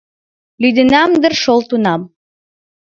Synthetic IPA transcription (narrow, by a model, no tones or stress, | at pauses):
lyd̪ɘ̆næmd̪ə̆rʃolˠt̪unɑm